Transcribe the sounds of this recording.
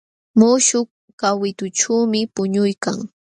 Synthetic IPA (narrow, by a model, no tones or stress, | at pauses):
mʊʃʊk | kawɪt̪ʊʈ͡ʂuːmɪpʊɲʊjka̰ŋ